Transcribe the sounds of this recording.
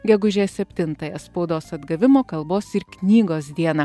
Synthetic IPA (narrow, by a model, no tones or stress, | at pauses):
ɡʲɛɡʊʒʲeːsʲɛpʲt̪ʲɪnt̪ɐjɛspɒʊd̪oːsɐd̪ɡɐʋʲɪmoːkɐlˠboːsɪɾknʲiːɡoːs̬d̪ʲiɛnɐ